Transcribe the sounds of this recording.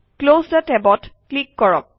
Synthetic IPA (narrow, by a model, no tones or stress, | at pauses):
klosdətɛbɔtklikːɔɹɔ̰k̚